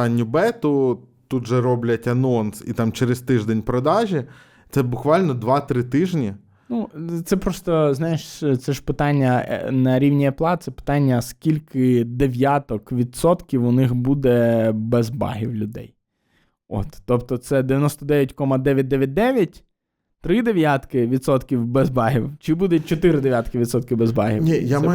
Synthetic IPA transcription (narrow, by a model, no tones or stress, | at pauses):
ɑnʲːʊbɛt̪ʊt̪ut̪ʒɛɾɔblʲɐtʲɐnɔnsḭt̪ɑmt͡ʃeɾest̪ɪʒd̪enʲpɾɔd̪ɑʒʲi | t̪sɛbʊkʋɑlʲnɔd̪ʋɑt̪ɾɪt̪ɪʒnʲi | nut̪sɛpɾɔst̪ɔznɑjɪʃt̪sɛʒpɪt̪ɑnʲːɐ̰nɐɾʲiwnʲiɐplˠɑt̪sɛpɪ̥t̪ɑnʲːɐskʲilʲkɪd̪eʋʲjat̪ɔkʋʲid̪sɔt̪kʲiwʊnɪxbud̪ɛbɛzbɑ̰ɦiwlʲʊd̪ɛ̰j | ɔ̰t̪ːɔpt̪ɔt̪sɛd̪eʋʲjɐnɔst̪ɔd̪ɛʋjɐtʲkɔmɐd̪ɛʋʲjɐt̚ʲd̪ɛʋʲjɐt̚ʲd̪ɛʋʲjɐtʲ | t̪ɾɪd̪eʋjat̪kɪʋʲid̪t̪sɔt̪kʲiwbɛzbɑɦɪwt͡ʃɪbud̪ɛt͡ʃɔt̪ɪɾɪd̪eʋjat̪kɪʋʲid̪sɔt̪kɪbezbɑ̰ɦʲḭnʲija